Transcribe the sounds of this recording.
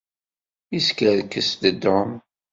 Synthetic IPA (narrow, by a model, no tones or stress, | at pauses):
iskəðkəsd̪əd̪ɔm